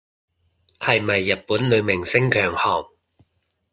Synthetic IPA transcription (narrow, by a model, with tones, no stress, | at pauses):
hɐ˨jmɐ˨jːɐ˨t̚puː˨˥nlɵ˨˧ɥmɪ˨˩ŋsɪ˥ŋkʰœː˨˩ŋhɔː˨˩ŋ̚